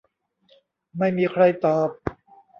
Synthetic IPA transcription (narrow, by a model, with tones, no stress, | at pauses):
ma˥˩jmiː˧kʰɾa˧jt̪ɔː˨˩p̚